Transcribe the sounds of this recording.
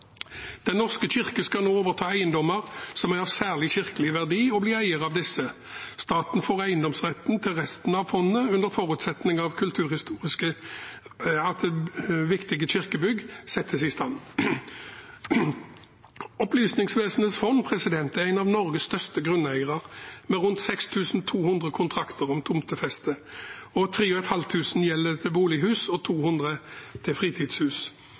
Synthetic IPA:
d̪̥ɛnːɔʁskəɕɪʁkəskɑlnoːoːʋəʁt̪ʰɑːæɪənd̪ɔməʁsɔmæɑʋsæːʁlɪçɪʁkəlɪʋæʁd̪iːɔbliːæɪəʁɑʋd̪ɪsːə | st̪ɑːt̪nfoːʁæɪənd̪ɔmsʁɛt̪nt̪ʰɪlʁɛst̪n̩ɑʋfɔnːəʉnd̪əʁfɔʁʉːt̪sɛt̪nɪŋɑʋkʰʉlt̪ʰʉːʁhɪst̪uːʁɪskə | ɑd̪ɛʋɪkt̪ɪɡəçɪʁkəbʏɡsɛt̪ʰːəsɪst̪ɑn | ɔplyːsnɪŋsʋeːsnət̪sfɔnːpʰʁɛsɪd̪ɛnt̪ɛææɪnɑʋnɔʁɡəsst̪œʁst̪əɡʁʉnːæɪəʁɑʁmɛʁʉnt̪sɛkst̪ʰʉːsn̩t̪ʰuːhʉnd̪ʁəkʰʊnt̪ʰʁɑkt̪əʁɔmt̪ʰʊmt̪ʰəfɛst̪əɔt̪ʰʁiːɔɛt̪hɑlt̪ʰʉːsn̩jɛlːət̪ʰɪlbuːlɪhʉːsɔt̪ʰuːhʉnd̪ʁət̪ʰɪfʁiːt̪ʰiːd̪̥shʉːs

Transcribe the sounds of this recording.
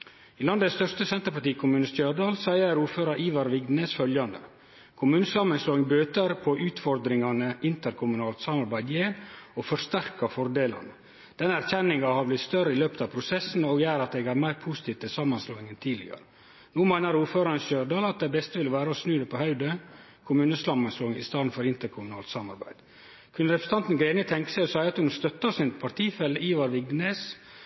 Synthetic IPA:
iːlɑnd̪əst̪œʂtəsɛnt̪əɾpɑʈiːkʰʊmʉːnəst̪jøːɖɑːlsæɪəɾuːɾføːɾɑɾiːʋɑɾʋɪɡ̪nesfœljɑnd̪ə̰ | kʰʊmʉːnəsɑmənsloːɪŋbøːt̪əɾpʰɔʔʉːt̪fɔɾd̪ɾɪŋɑnəʔɪnt̪əɾkʰʊmʉnɑːlt̪sɑmɑɾbæɪd̪jeːɾofɔʂt̪æɾkɑfɔɾd̪eːlɑ̰nə | d̪̥ɛnːəæɾçɛnːɪŋɑhɑɾblɪt̪st̪œɾəɪløːpət̪ɑːpʰɾʊsɛsn̩oːɡjæːɾɑt̪̚eːɡæɾmæɪɾpʰusɪ̥t̪iːʋt̪ʰɪlsɑmɑnsloːɪŋənt̪ʰiːlɪ̰ɡɑ̰ɾə | nuːmæɪnəɾuːɾføːɾɑɾənʃøːɖɑːlɑt̪̚d̪æɪbɛst̪əʋɪləʋæːɾəɔsnʉːd̪ɛpʰɔhɑʉd̪ə | kʰʊmʉːnəslɑmːɑnsloːɪŋɪ̰st̪ɑːd̪n̩fɔɾɪnt̪əɾkʰʊmʉnɑ̰ːlt̪sɑmɑ̰ɾbæ̰ɪd̪̥ | kʰʉnɾɛpʰɾəs̩t̪ɑnt̪n̩ɡɾeːnət̪ʰɛŋkə̥sæɪɔsæɪɑt̪hʉnst̪œt̪ːɑsɪnpʰɑɾʈ̪ʰiːfɛlːəiːʋɑɾʋɪɡnes

